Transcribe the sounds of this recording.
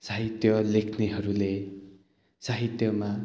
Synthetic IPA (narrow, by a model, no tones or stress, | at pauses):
saɦit̪jʌlekʰneɦʌɾule | saɦit̪jʌma